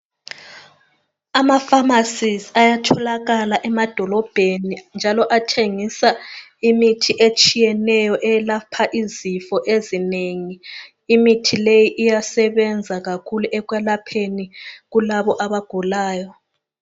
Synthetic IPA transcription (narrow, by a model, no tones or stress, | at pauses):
amafamasizajatʰɔlaɣalaʔɛmad̥ʱɔlɔb̥ʱenind͡ʒʱalɔʔatʰeŋisaimitʰiʔet͡ʃʼijɛnɛjɔʔɛlapʰaʔizifɔʔezineŋiː | mitʰilejiʔijasɛβɛnd͡zʱaɣakʰuluʔɛɣwɛlapʰeniɣulaβɔʔaβaɡ̥ʱulaːjɔ